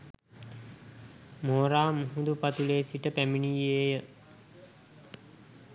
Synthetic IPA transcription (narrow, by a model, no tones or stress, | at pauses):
moːɾaːmuɦud̪upat̪uleːsiʈəpæminijeːjə